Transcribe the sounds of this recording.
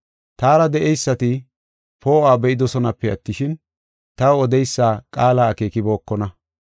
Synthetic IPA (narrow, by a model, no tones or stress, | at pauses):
t̪aːɾɐd̪ɛʔɛjsːɐt̪ɪ | poːaːbɛʔɪd̪ɔsɔnɐpːɛɐ̰t̪ːɪʃɪn | t̪ɐwɔd̪ɛjsːaːkʼaːlaːke̞ːkɪbo̞ːkːɔnɐ